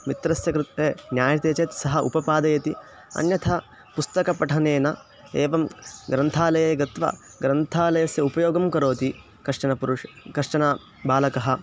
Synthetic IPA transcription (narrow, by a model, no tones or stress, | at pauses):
mit̪ɾɐsjɐkɾt̪eːnjaːjɐt̪eːt͡ʃeːt̪sɐɦɐʔṵpɐpaːd̪ɐjɐt̪i | ɐ̰njɐt̪ʰɐ | pust̪ɐkɐpɐʈʰɐneːnɐ | eːʋɐmɡɾɐnt̪ʰaːlɐjɐːɡɐt̪ʋɐ̰ | ɡɾɐnt̪ʰaːlɐjɐsjɐupɐjoːɡɐmkɐɾoːt̪i | kɐʂʈɐnɐpuɾʂ | kɐʂʂɐna | baːlɐkɐɦɐ̆